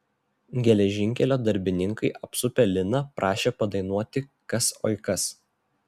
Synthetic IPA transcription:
ɡʲɛlʲɛʒʲɪŋʲkʲɛlʲoːd̪ɐɾʲbʲɪnʲɪŋkɐɪʔɐpsʊpʲɛlʲɪnɐpɾʔɑːʃʲeːpɐd̪ɐɪnuɔt̪ʲɪkɐso̰ɪkɐs

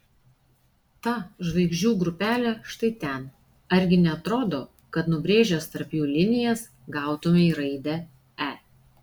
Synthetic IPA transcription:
t̪ɑʒʋɐɪɡʒʲd͡ʒʲuːɡɾʊpʲæːlʲɛʃt̪ɐɪt̪ʲɛn | ɐɾʲɡʲɪnʲɛɐt̪ɾoːd̪oː | kɐt̪nʊbʲɾʲeːʒʲoːst̪ɐɾpjuːlʲɪnʲɪjɛːs | ɡɑˑʊt̪ʊmʲɪiɾɐɪd̪ʲɛ | æː

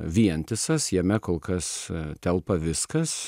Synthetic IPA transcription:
ʋʲiɛnʲt̪ʲɪsɐsjɛmʲɛkoːlˠkɐst̪ʲɛlˠpɐʋʲɪskɐs

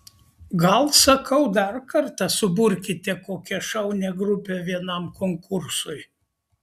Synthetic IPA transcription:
ɡɐlˠsɐkʰɐʊd̪ɐɾkɐɾt̪ɑsʊbʊɾʲkʲɪt̪ʲɛkoːkʲɛʃɐʊnʲɛɡɾʊpʲeʋʲiɛnɐmkoŋkʊɾsʊj

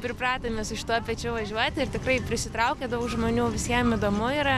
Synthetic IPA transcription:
pʲɾʲɪprɑːt̪oːmʲeːsʊʃʲɪ̥t̪uɔpʲɛt͡ʃʲʊʋɐʒʲuɔt̪ʲɪrt̪ʲɪkrɐɪpʲɾʲɪsʲɪt̪ɾɐʊkʲeːd̪ɐʊkʒmoːnʲuːʋʲɪsʲiɛmid̪oːmʊiːɾɐ

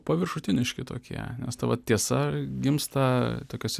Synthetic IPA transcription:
pɐʋʲɪrʃʊt̪ʲɪnʲɪʃʲkʲɪt̪o̰ːkʲḭɛ̰nʲɛ̰st̪ɐʋɐt̪t̪ʲiɛsɐɡʲɪmst̪ɐt̪oːkʲoːsʲ

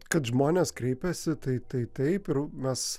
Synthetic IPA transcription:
kɐt̪ʒmoːnʲeːskɾʲɛɪpʲɛsʲɪt̪ɐɪt̪ɐɪt̪ɐɪpɪɾmʲɛs

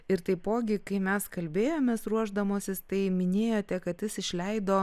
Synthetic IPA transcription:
ɪɾt̪ɐɪpoːɡʲɪkɐɪmʲɛskɐlʲbʲeːjoːmʲeːsɾuɔʒd̪ɐmoːsʲɪst̪ɐɪmʲɪnʲeːjoːt̪ʲɛkɐt̪jɪsɪʃʲlʲɛɪd̪oː

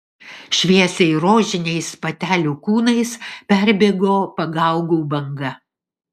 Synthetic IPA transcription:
ʃʲʋʲiɛsʲɛɪɾoːʒʲɪnʲɛɪspɐt̪ʲæːlʲuːkuːnɐɪspʲæɾʲbʲeːɡoːpɐɡɐˑʊɡuːbɐŋɡɐ

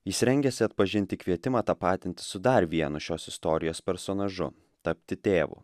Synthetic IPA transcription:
jɪsɾʲɛŋʲɡʲɛsʲɪɐt̪̚pɐʒʲɪnʲt̪ʲɪkʋʲiɛt̪ʲɪmɑːt̪ɑːpɑːt̪ʲɪnʲt̪ʲɪ̥sʊd̪ɐɾʋʲiɛnʊʃʲoːsɪst̪ɔːɾʲɪjoːspʲɛɾsoːnɐʒʊ̰ | t̪ɐpʲt̪ʲɪt̪ʲeːʋṵː

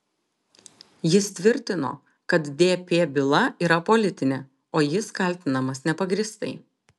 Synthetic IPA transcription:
jɪst̪ʲʋʲɪɾʲt̪ʲɪno̰ː | kɐt̪d̪ʲeːpʲeːbʲɪlˠɐiːɾɐpɔːlʲɪt̪ʲɪnʲeː | oːjɪskɐlʲt̪ʲɪnɐmɐsnʲɛpɐɡɾʲiːst̪ɐ̰ɪ

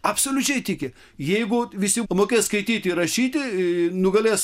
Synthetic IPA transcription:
ɐpsoːlʲʊt͡ʃʲɛɪt̪ʲɪkʲɪ | jɛɪɡʊʋʲɪsʲɪmoːkʲeːskɐɪt̪ʲiːt̪ʲɪɪrɐʃʲiːt̪ʲɪnʊɡɐlʲeːs

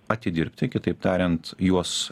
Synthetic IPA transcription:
ɐt̪ʲɪd̪ʲɪɾʲpʲt̪ʲɪkʲɪt̪ɐɪpt̪ɑːɾʲɛnt̪juɔs

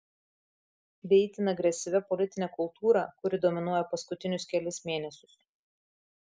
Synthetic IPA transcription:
ʋʲɛɪt̪ʲɪnɐɡɾʲɛsʲɪʋʲɛpɔlʲɪt̪ʲɪnʲɛkʊlˠt̪ʰuːɾɐkʊɾʲɪd̪oːmʲɪnuɔjɛpɐskʊt̪ʲɪnʲʊskʲɛlʲɪsmʲeːnʲɛsʲʊs

